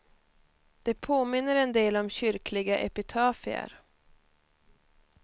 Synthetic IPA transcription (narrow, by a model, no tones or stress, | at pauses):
d̪̥ɛpʰoːmɪnːəɾɛnd̪eːlɔmɕʏɾklɪɡaʔɛ̰pɪt̪ʰɑːfɪa̰ɾ